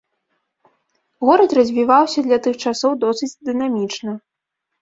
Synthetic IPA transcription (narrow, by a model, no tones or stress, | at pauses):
ɣɔɾɐt̪rɐzʲvʲivawsʲɐd̪lʲɐt̪ɨxt͡ʂasɔwd̪ɔsɨt͡sʲd̪ɨnamʲit͡ʂnɐ